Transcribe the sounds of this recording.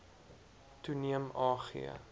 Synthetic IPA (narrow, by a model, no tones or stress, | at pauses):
tuniəmɑːχḭə̰